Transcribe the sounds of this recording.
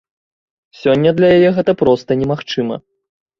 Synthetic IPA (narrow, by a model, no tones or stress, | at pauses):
sʲɔnʲːɐd̪lʲɐjajɛɣɛt̪ɐpɾɔst̪ɐnʲɛmaxt͡ʂɨmɐ̰